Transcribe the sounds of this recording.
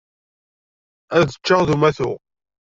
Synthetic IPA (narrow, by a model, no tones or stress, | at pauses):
æðət͡ʃːəʁðumæθʊ̰